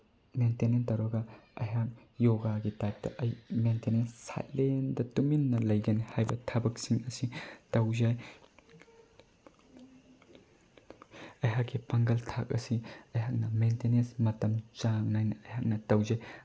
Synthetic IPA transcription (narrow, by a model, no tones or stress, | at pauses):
mentenentɐwɾɐɡɐɐ̰ɦak̚joɡaɡitajp̚tɐ̰ʔɐjmentenensːa̰jlendɐtuminːɐlɐjɡɐnehajbɐtʰɐbɐk̚siŋɐsitɐwzaj | ɐjɦakːipaŋɡɐltʰa̰k̚ɐ̰siɐjɦak̚nɐmentenensmɐtɐmt͡ʃaŋnajnɐɐjɦak̚nɐtɐwzaj